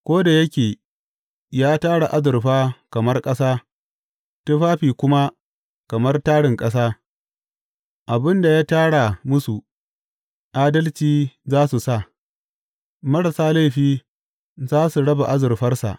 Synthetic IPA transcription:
kʷoː˦da˨jɐ˦kʲeː˨ | jaː˦taː˦ɽa˨ʔa˦zʊ˨rɸaː˦kɐ˨mɐ˦rkʼɐ˦saː˦ | tu˦ɸaː˦ɸiː˨kʷʊ˦ma˦ | kɐ˨mɐ˦rtaː˦ɽɪ˨ŋkʼɐ˦s̬aː˦ | ʔa˨bɪ˦nda˨jaː˦taː˦ɽa˨mʊ˦su˨ | ʔaː˦dɐ˦lt͡ʃiː˦zaː˦su˨sa˦˨ | mɐ˦ɽɐ˨saː˦la˦˨ɸiː˦ | zaː˦su˨ɽɐ˦ba˨ʔa˦zʊ˨rɸɐ˦rsa̰˨ʔ

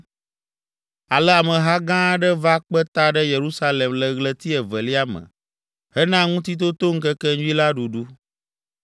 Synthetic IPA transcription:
a˨lɛ˦a˨mə̃˨ɦa˦ɡã˦ɖə˦va˦k͡pə˦t̪a˦ɖə˦je˨ɾu˦sa˦lɛ˨mlə˨ɣlə˨t̪i˦ɛ˨və˨li˦a˦mə̰̃˨ | hɛ˦nã˦ŋũ˦t̪̬i˦t̪̬o˦t̪o˦ŋ̩˦kə˦kɛ˦ɲu˦i˦la˦ɖu˨ɖu˦

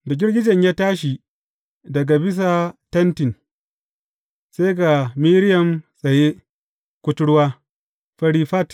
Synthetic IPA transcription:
da˨ɡʲɪ˦rɡʲɪ˦d͡ʒɐ˨ɲjaː˦taː˦ʃi˨ | dɐ˨ɡa˨bɪ˦s̬a˨tɐ˦ntɪ˨n | se˦ɡa˨miː˦ɾɪ˦jɐ˨msʼɐ˨je˦ | kʷʊ˦tʊ˦ɽwaː˦ | ɸɐ˦ɽiː˦ɸa˦t

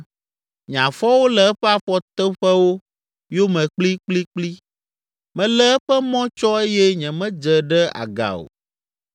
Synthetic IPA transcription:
ɲ˨ã˨fɔ˦wo˦lɛ˨ɛ˦ɸɛ˦a˨ɸɔ˦t̪ɛ˦ɸɛ˦wo˦ | jo˦mɛ̃˨k͡pli˦k͡pli˦k͡pli˦ | mɛ̃˨lɛ˦ɛ˦ɸɛ˦mɔ̃˦t͡ʃɔ˦e˦jɛ˦ɲɛ̃˨mɛ̃˦d͡ʒə˨ɖɛ˦a̰˨ɡa̰˨o̰˨

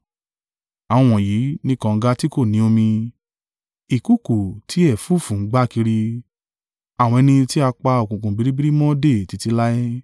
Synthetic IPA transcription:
a˨w̃ɔ̃˧w̃ɔ̃˨ji˨˦nĩ˦kã˧ŋ̩˧˦ɡa˦ti˦ko˦˨nĩ˨˦o˧mĩ˧ | i˨ku˦˨ku˨ti˨˦ɛ˦˨fu˦˨fũ˨˦ŋ̩˦ɡ͡ba˦˨ki˧ɾi˧ | a˨w̃ɔ̃˧ɛ˧nĩ˧ti˦a˧k͡pa˧o˨kũ˨kũ˨bi˨˦ɾi˦bi˦ɾi˦mɔ̃˦de˦˨ti˨˧˦ti˧la˦i˦

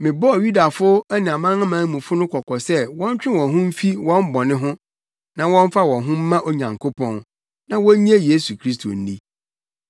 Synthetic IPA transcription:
mɪ̃˨bɔ˦˨ju˦da˨fʊ˦ɛ˦nɪ̃˨a˨mã˦ŋa˦mãː˨˦mũ˨fʊ˦nʊ̃˦kʰɔ˨kʰɔ˨sɛ˦wɔ̃˦ɲ˦t͡ɕᶣɪ̃˦wɔ̃˨nɦʊ̃˦m̩˦fi˦wɔ̃˦m˦bɔ˨nɪ̃˦ɦʊ̃˦ | nã˨wɔ̃˦ɱ˦fa˦wɔ̃˨ɦʊ̃˦m̩˦mã˦ʔo˦ɲã˨ŋkʰo˦pʰɔ̃˦n | nã˦wɔ̃˦ɲ˦a˦je˦su˨kʰɾi˦s̬tʰo̰˨n̩˦nḭ˦

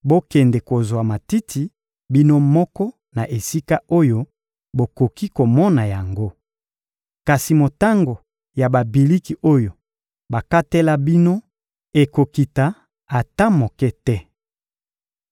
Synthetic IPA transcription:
bo˦kɛ˨ndɛ˨ko˨zwa˨ma˨ti˦tʰi˨ | bi˦no˦mɔ˦kɔ˦ | na˨ʔe˨si˦ka˦o˦jo˦ | bo˨ko˨ki˦ko˨mɔ˦na˨ja˨ŋɡo˦ | ka˨si˨mo˨ta˦ŋɡo˨ | ja˨ba˨bi˨li˦ki˨ʔo˦jo˨ | ba˨ka˦te˦la˦bi˦no˦ | e˨ko˨ki˨ta˨ | a˨ta˦mo˨kɛ˦tɛ˦

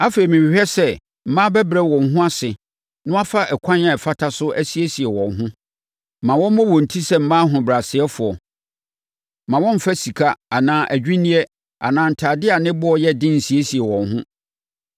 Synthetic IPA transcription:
a˦fe˨i˨mĩ˨hᶣɛ˦sɛ˦ | m̩˦mã˦bɛ˦bɾɛ˨wɔ̃˨nɦʊ̃˦a˦sɪ˨ | nʊ̃˦a˦fa˦ʔɛ˨kʰʷã˦na˦˨ɛ˨fa˦tʰa˦sʊ˦ʔæ˦si˨˦e˦si˨ɛ˨wɔ̃˨nɦʊ̃˦˨ | mã˨wɔ̃˦m˦mɔ̃˦wɔ̃˨n̩˨tʰi˦sɛ˦m̩˦mãː˦ɦʊ̃˨bɾa˨sɪ˨ɛ˦fʊ˨ɔ˨ | mã˨wɔ̃˦m̩˦fa˦si˨kʰa˦a˨nãː˨˦ʔæ˨d͡ʑᶣi˦nĩ˦ɛ˦ | a̰˨nãː˨n̩˨tʰaː˨dɪ˦a˨nɪ̃˦bʊ˦ɔ˦˨jɛ˦dɪ̃˦n̩˨si˨e˦si˨ɛ˨wɔ̃˨nɦʊ̃˦

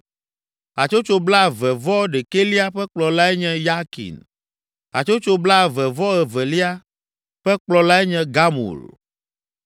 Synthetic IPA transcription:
a˨t͡ʃo˦t͡ʃo˦bla˦vɛ˨vɔ˦ɖe˨ke˦li˦a˦ɸɛ˦k͡plɔ˨la˦ɛ˦ɲɛ̃˦ja˦kḭ˨n | a̰˨t͡ʃo˦t͡ʃo˦bla˦˨vɛ˨vɔ˦ɛ˨vɛ˨li˦a˦ | ɸɛ˦k͡plɔ˨la˦ɛ˦ɲɛ̃˦ɡa˦mṵ˨l

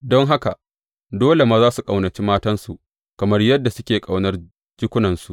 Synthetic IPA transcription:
dɔ˦ŋɦa˦ka˨ | doː˦le˨maː˨zaː˦su˨kʼa˨wnɐ˨t͡ʃiː˦maː˦tɐ˦nsu˨ʔ | kɐ˨mɐ˦rjɐ˦dːa˨sʊ˦kʲeː˨kʼa˨wnɐ˦r | d͡ʒɪ˦kʷʊ˦nɐ˨nsu˨ʔ

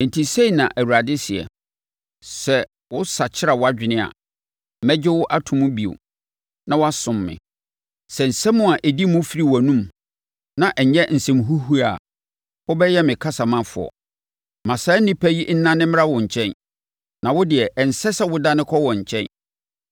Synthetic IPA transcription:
n̩˨tʰi˨se˦i˨nã̰˨ʔæ˨wu˨ɾa˨dɪ˦sɪ˨ɛ̰˨ | sɛ˨ | wʊ˦sa˨t͡ɕʰɪ˦ɾa˨wʊ˦a˦d͡ʑᶣɪ˨nɪ̃˦a̰˨ | mɛ˦d͡ʑɪ˦wʊ˦ʔa˦tʰʊ̃˨mʊ̃˦bi˨o̰˨ | nã˨wa˦sʊ̃˨mːɪ̰̃˨ | sɛ˨n̩˨sɛ̃˦mʊ̃˦a˨ʔɛ˨di˦mʊ̃˦fi˦ɾi˨wɔ˨nũ˦m | nã˨ʔɛ˨ɲ˦ɲɛ˦n̩˨sɛ̃˨mɦu˦ɦu˦a˨ | hʊ˦bɛ˦jɛ˦mɪ̃˨kʰa˦sa˨mã˦fʊ̰˨ɔ̰˨ | mã˨sa˦nɪ̃˦pʰæ˦ji˦n̩˦nã˦nːɪ̃˦m˦a˦wʊ̃˨ɲ̩˨t͡ɕʰɛ̃˦n | nã˨wʊ˦dɪ˨ɛ˨ʔɛ˨n̩˨sɛ˦sɛ˦wʊ˦da˦nɪ̃˦kʰɔ˦wɔ̃˨ɲ̩˨t͡ɕʰɛ̃˦n

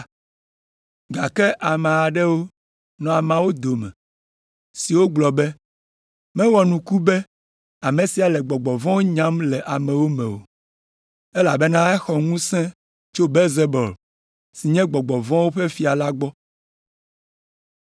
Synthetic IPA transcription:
ɡa˨kɛ˦ʔa˨mẽ˨a˨ɖɛ˦wo˦ | nɔ̃˨a˨mã˨wo˦d̪o˨mɛ̰̃˨ | si˨wo˦ɡ͡blɔ˨bɛ˦ | mɛ̃˦wɔ˨nũ˨ku˦bɛ˦ | a˨mẽ˨si˨a˨lɛ˨ɡ͡bɔ˨ɡ͡bɔ˨vɔ̃˦wo˦ɲã˦mlɛ˨ʔa˨mɛ̃˨wo˦mɛ̃˨o̰˨ | ɛ˦la˨bɛ˦nã˦ɛ˦xɔ˨ŋũ˦sɛ̃˦ | t͡ʃo˦be˦lze˦bɔ˨l | si˨ɲɛ̃˦ɡ͡bɔ˨ɡ͡bɔ˨vɔ̃˦wo˦ɸe˦fi˦a˨la˦ɡ͡bɔ˦

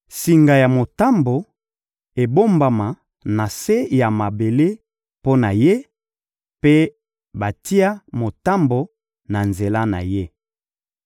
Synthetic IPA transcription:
si˨ŋɡa˨ja˨mo˨ta˦mbo˨ | e˨bo˦mba˨ma˨ | na˨se˦ja˨ma˨be˨le˦ | po˦na˨je˦ | pe˦ | ba˨ti˦a˦mo˨ta˦mbo˨ | na˨nze˨la˦na̰˨je˦

